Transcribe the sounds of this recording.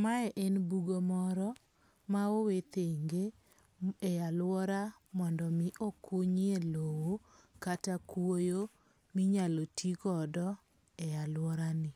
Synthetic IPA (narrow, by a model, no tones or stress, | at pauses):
maɛʔenbuɡomɔɾɔ | maowet̪eŋɡe | ɛjalwɔɾa | mɔndɔmɪʔokuɲelowokatakwojo | miɲalotikɔdɔ | ɛjalwɔɾanɪ